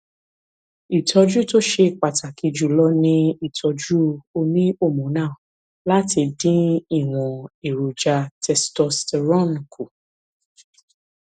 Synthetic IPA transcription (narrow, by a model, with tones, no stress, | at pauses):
i˨tʰɔ˧d͡ʒu˦to˦ʃe˧˨k͡pa˨ta˨ki˨˧d͡ʒu˦˨lɔ˦nĩ˧i˦˨tʰɔ˧d͡ʒu˦o˧nĩ˦o˦˨mũ˨˦nãː˦˨ | la˦ti˧dĩ˦i˦˨w̃ɔ̃˨e˨ɾu˨d͡ʒa˧tʰɛ˧stɔ˧stɛ˧ɾɔ̃˦˨nĩ˨ku˨